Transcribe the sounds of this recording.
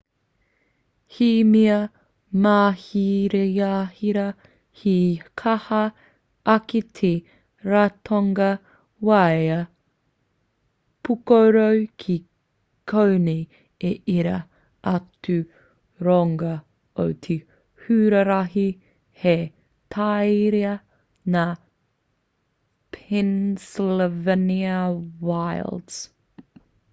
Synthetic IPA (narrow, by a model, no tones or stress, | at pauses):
himiɐ | maːhiɾejaːhiɾɐ | hikʰɐhɐ | ɐketʰe | ɾatʰoŋɡɐ | wajɐ | pʰukowɾowkʰi | kʰownej | eiɾɐ | ʔɐtʰʉ | ɾɔŋɡɐ | o̰wt̪ʰi | hʉːɾəɾaɦi | he | t̪ʰajɾiɐ | na | pʰɛnslvəniəwajlds